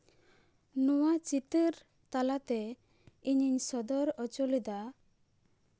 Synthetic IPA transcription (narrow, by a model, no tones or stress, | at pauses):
nɔwat͡ʃit̪əɾ | t̪alat̪ɛ | iɲiɲsɔd̪ɔɾɔt͡ʃɔlid̪a